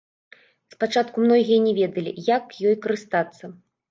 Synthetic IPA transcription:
spat͡ʂat̪kumnɔɣʲijɐnʲɛvʲɛd̪ɐlʲḭjakjɔjkɐɾɨst̪at̪sːɐ

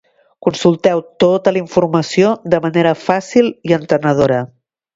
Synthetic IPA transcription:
kunsulˠt̪ɛwt̪ot̪əliɱfuɾməsiod̪əməneɾəfasilˠiənt̪ənəð̞oɾə

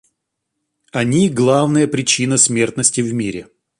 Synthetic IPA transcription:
ɐnʲiɡlˠavnəjəpɾʲɪt͡ɕinəsʲmʲe̞rt̪nəsʲtʲɪvmʲiɾʲɪ

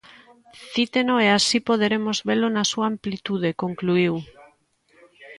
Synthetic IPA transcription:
θit̪enoeasipoð̞eɾemozβelonasuaːmplit̪uð̞ekoŋkluiw

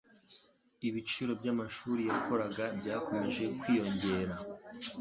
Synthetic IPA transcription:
iβit͡ʃiɾo̞bɟamaʃuːɾijakʰo̞ɾaɡabɟaːko̞me̞ʒe̞kwiːjo̞ɲɟe̞ːɾa

